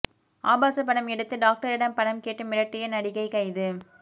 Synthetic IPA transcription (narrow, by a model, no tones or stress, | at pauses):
ʔaːbaːsɐpːɐɽɐmɛɽɯt̪ːɯɖaːk̚ʈɐɾɪɽɐmpɐɽɐmkeːʈːɯmɪɾɐʈrɪjɐnɐɽɪɣɐɪkɐɪðɯ